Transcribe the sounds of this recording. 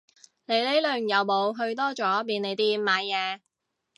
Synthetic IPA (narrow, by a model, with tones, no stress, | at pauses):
ne˨˧jle˨˥jlɵ˨˩ŋjɐ˨˧wmo˨˧wɦɵ˧ɥt̪̬ɔː˥t͡ʃɔː˨˥piː˨˧ne˨˧jt̪iː˧maː˨˧jːɛː˨˧